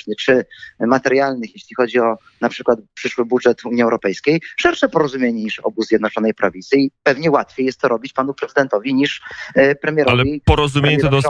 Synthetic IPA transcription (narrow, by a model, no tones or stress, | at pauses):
nɘt͡ʂɘmat̪ɛɾjalnɘxjeɕlʲixɔd͡ʑiɔ | napʂɘkwat̪̚pʂɘʂwɘbudʐɛt̪uɲiɛwɾɔpɛjskʲejʂɛɾʂɛpɔɾɔzumjeɲɛɲiʂɔ̰buzʲjɛd̪nɔt͡ʂɔnɛjpɾavʲit̪sɘipɛvɲɛwat̪fʲjejɛst̪t̪ːɔɾɔbʲit͡ɕpanupɾɛzɨd̪ɛnt̪ɔvʲiɲiʂpɾɛmʲjɛɾalɛvipɔɾɔzumʲɲɛt̪d̪